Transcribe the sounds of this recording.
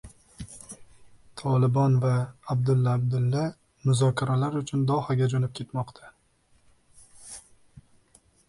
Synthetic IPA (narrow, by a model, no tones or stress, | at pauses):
t̪ʰɒlɪbɒnvaːbd̪ʊlːaːb̚d̪ɪlːa | mʊzɒkʰʲaɾalaɾʊt͡ʃʰʊnd̪ɒhaɡʲad͡ʒonɪp̚kʲʰe̞t̪mɒqt̪ʰa